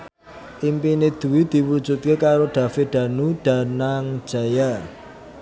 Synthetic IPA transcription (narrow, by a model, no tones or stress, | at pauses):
ʔimpined̪̥ṳwid̪̥i̤wud̥ʒ̥ṳt̪̚kekaɾoɖ̪̥ä̤fed̪̥a̤nuɖ̪̥a̤naŋd̥ʒ̥a̤ja